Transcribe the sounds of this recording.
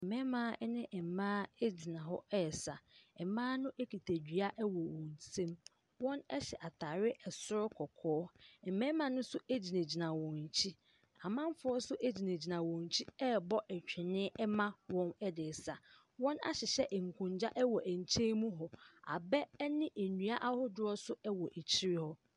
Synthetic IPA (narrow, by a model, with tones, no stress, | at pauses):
ɛ˨mɛ̃˦mãː˨˦ɛ˦nɪ̃˦ʔɛ˨mãː˦ɛ˦d͡ʑi˨nã˨ɦɔ˦ɛ˦˨sa˨ɛ˨mãː˦nʊ̃˦ʔe˦kʰi˨tʰæ˨d͡ʑᶣi˨a˦ʔɛ˦wɔ˨wɔ̃˨n̩˨sẽ˦m | wɔ̃˦nɛ˦ɕɛ˨ʔa˨tʰaː˨ɾɪ˦ʔɛ˨sʊ˦ɾkʰɔ˨kʰɔː˦ɛ˨mɛ̃˦mã˨nʊ̃˦sʊ˦e˦d͡ʑi˨nã˨d͡ʑi˨nã˨wɔ̃˨n˨t͡ɕʰi˦ | a˨mã˦m˦fʊ˨˦ɔ˦sʊ˦ʔe˦d͡ʑi˨nẽ˨d͡ʑi˨nã˨wɔ̃˨n˨t͡ɕʰi˦ɛ˦bɔ˦ʔɛ˨t͡ɕᶣʰɪ˨nɪ̃ː˦ɛ˦mã˦wɔ̃˦nɛ˦dɪː˨sa˨ | wɔ̃˦na̰˦ɕɪ˨ɕɛ˦ʔŋ̩˨kʰʊ̃˨ɲd͡ʑa˦ʔɛ˦wɔ˨ʔæ˨ɲ̩˨t͡ɕʰẽ˦mũ˦ɦɔ˨a̰˨bɛ˦nɪ̃˦ʔe˨nu˨a˦ʔa˦hʊ˦dʊ˦ɔ˦sʊ˦ɛ˦wɔ˨ʔe˨t͡ɕʰi˦ɾɪ˦hɔ˦